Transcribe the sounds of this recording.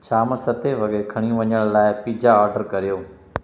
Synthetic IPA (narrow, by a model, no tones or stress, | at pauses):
t͡ʃʰaːməsɐt̪ʰeʋɐɡɾekʰɐɽ̃ĩʋɐɲəɽ̃laːɪpiːd͡ʒaɔːɾɖəɾkɐɾijoː